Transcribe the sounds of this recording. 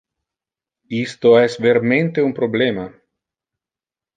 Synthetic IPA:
ist̪oɛsveɾmẽnt̪eumpɾoblema

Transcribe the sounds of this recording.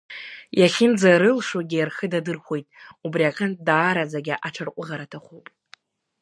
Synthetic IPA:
jaχʲɪnd͡zaɾɨlʂwaɡʲijarχədadɨrχʷo̞jtʼubriakʰʼant̚ʰʼdaːɾad͡zaɡʲaʔaʈ͡ʂʰarqʷʼʊʁaɾatʰaχʷowpʼ

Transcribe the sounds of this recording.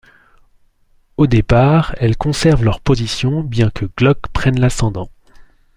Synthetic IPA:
od̪epaʁɛlkɔ̃sɛʁvlœʁpozisjɔ̃bjɛ̃kʰəɡlɔkpχɛnlasɑ̃d̪ɑ̃

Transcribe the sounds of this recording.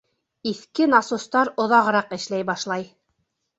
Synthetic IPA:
iθkɘnɑsust̪ɑɾŏðɑʁɤ̆ɾɑqɘ̆ʃlæjbɑʃlˠɑj

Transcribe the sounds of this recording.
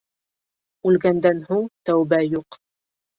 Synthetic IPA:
ʉlɡænd̪ænhuɴt̪æwbæjuq

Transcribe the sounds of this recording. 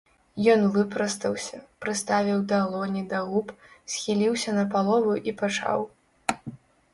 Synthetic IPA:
jɔnvɨpɾɐst̪ɐwsʲɐpɾɨst̪avʲiwd̪ɐlˠɔnʲid̪ɐɣupsʲxʲilʲiwsʲɐnɐpalˠɔvuʔipat͡ʂa̰w

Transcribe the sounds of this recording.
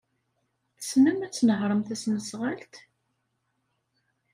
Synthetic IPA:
θəsməmæt͡sːnəɦɾˤəmθæsnəsʁalt̪

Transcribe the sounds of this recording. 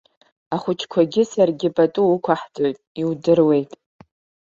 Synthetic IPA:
aχʷʊt͡ʃʰkʷʰaɡʲɪsarɡʲɪpʼatʼuːkʷʰaħd͡zʼo̞jtʼiwdɨrwe̞jtʼ

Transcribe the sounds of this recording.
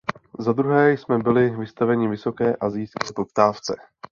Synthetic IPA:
zad̪ɾuɦɛːjsmɛbɪlɪvɪst̪avɛɲɪvɪso̞kɛːʔazɪjskɛːpo̞pt̪aːft͡sɛ

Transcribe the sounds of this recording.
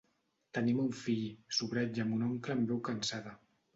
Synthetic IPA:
t̪ənimuɱfiʎsuβɾɛd͡ʒamunɔŋkləmbɛwkansaða

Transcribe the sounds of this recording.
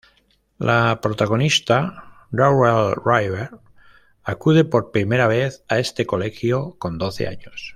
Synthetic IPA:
lʔapɾot̪aɣ̞o̞nist̪a | dawelrajβeɾ | akuð̞e̞po̞ɾpɾimeɾaβ̞eθaest̪eko̞lexjoko̞nd̪oθḛa̰ɲos

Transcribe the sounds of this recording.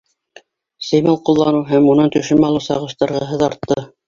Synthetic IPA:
sɘ̆jmɘlˠqulˠːɑnɤwɦæmunɤnt̪ɵ̆ʃɘmɑlˠɤwsɑ̰ʁɤ̆ʃt̪ɑɾʁɑɦɤ̆ðɑɾt̪ːɤ

